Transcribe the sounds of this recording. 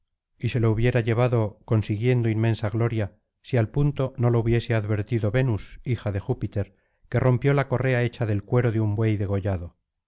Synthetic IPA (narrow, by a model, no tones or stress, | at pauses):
ise̞louβ̞je̞ɾaʝe̞β̞aðo̞ko̞nsiɣje̞nd̪oinmẽ̞nsaɣlo̞ɾja | sialpunt̪o̞no̞louβje̞seaðβe̞ɾt̪iðo̞βe̞nusixaðe̞xupit̪e̞ɾ | ke̞ro̞mpjo̞lako̞re̞ae̞t͡ʃaðe̞lkwe̞ɾo̞ðeumbwe̞jðe̞ɣ̞o̞ʝaðo̞